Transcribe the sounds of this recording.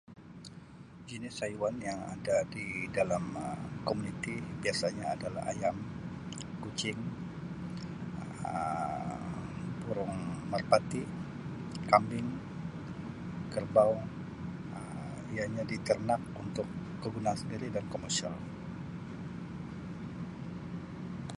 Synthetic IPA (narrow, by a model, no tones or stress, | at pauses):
d͡ʒinɪsajwanjaŋa̰dadidalaməkomunit̪ibiasaɲaːdala̰ha̰jam | kut͡ʃɪŋ | ə | buɾʊŋmərpat̪i | kambɪŋ | kərbaw | ə | ijaɲadit̪ərnak̚unt̪ʊkː | əɡunaːnsəndiɾidankomərsia̰l